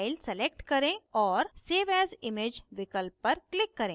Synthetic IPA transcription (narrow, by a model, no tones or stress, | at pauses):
ɪlselek̚ʈkəɾẽɔːɾseʋɛzimed͡ʒʋɪkəlpːəɾklɪkːəɾẽ